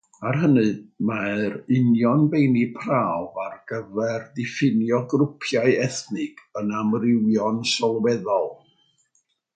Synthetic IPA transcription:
arɦənɨmaɾɪnjɔnbejnipʰrawvarɡ̥əvɛrdɪfɪnjɔɡrʊpʰjaɨɛθnɨkʰənamrɪwjɔnʃɔlˠwɛðɔlˠ

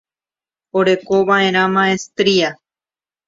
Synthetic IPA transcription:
oɾe̞ko̞βaʔẽ̞ɾ̃ãmãest̪ɾia

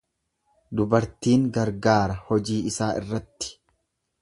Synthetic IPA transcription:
d̪ʊbɐɾt̪iːŋɡɐɾɡaːɾɐhɔd͡ʒiːɪsaːʔɪ̰rːɐt̪ːɪ̥

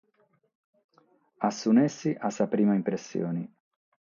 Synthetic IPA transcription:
asːunesːiʔasːapɾiːmaimpɾesːjo̰ːni

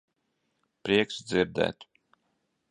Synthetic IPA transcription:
pɾiɛksd̪ziɾd̪ɛ̰ːt̪

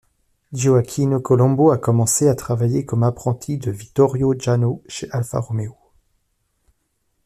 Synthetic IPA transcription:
ʒoakʲʰinokɔlɔ̃boakɔmɑ̃seat̪χavajekɔmapχɑ̃t̪ʰid̪əvik̚t̪ɔʁjoʒanoʃeʔalfa̰ʁɔmeo

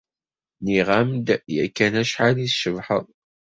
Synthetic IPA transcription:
niʁamd̪jæ̰kːænæʃħaliθʃəvħəðˤ

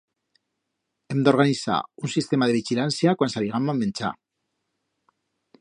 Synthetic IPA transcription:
emd̪o̞ɾɣanisa̰unsist̪e̞maðe̞β̞iʝilansiakwansaβiɣamamːent͡sa̰

